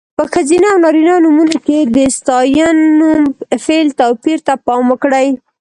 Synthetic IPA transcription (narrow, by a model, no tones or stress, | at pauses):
pəxazinaawnɑɾinɑnumunoked̪əst̪ɑjɑnːumfelt̪apiɾt̪apɑmwəkɽəj